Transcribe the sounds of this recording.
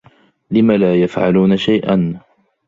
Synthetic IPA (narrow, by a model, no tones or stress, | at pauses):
lɪmalaːjafʕa̰luːnaʃajʔan